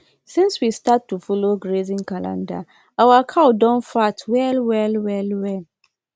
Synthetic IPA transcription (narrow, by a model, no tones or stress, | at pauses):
sĩnswistatːufɔloɡɹezĩnkalã̰nda̰ | awakʰaʊdɔ̃nfatʰwɛlwɛlwɛlwɛl